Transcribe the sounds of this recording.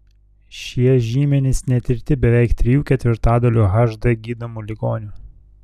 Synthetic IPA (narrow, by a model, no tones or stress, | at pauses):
ʃʲiɛʒʲiːmʲɛnʲɪsnʲɛt̪ʲɪɾʲt̪ʲɪbʲɛʋʲɛɪkt̪ʲɾʲɪjuːkʲɛt̪ʲʋʲɪɾt̪ɑːd̪ɐlʲuːɣɐʒd̪ɐɡʲiːd̪ɐmuːlʲɪɡoːnʲuː